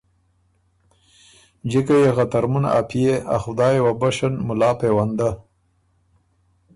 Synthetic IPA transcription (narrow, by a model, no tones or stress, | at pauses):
d͡ʒikajexat̪aɾmʊn̰a̰pʰijea̰xʊd̪ɑːjewabaʃanmʊlɑːpewand̪a